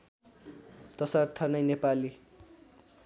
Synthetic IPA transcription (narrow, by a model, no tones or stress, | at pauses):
t̪ʌsʌrt̪ʰʌnʌjnepali